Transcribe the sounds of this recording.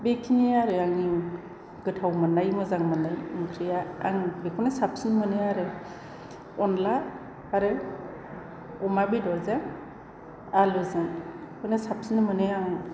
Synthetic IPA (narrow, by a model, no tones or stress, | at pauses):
bekʰiniaɾɯaŋi | ɡ̥ɯtʰawmɯnajmɯzaŋmɯnajɯŋkʰɾijaa̰ŋbekʰɔnasap̚sinmɯnɯaɾɯ | ɔnla | aɾɯ | ɔmabedɔɾza | alɯzɯŋkʰɔnesap̚sinmɯnɯaŋ